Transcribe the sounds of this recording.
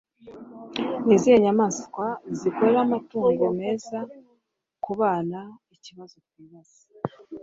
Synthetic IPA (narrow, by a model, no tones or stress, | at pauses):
nizijeɲamaːskwazikoɾeɾamatuːŋuβome̞ːza | kuβaːnaiciβazokwiːβaz̥i̥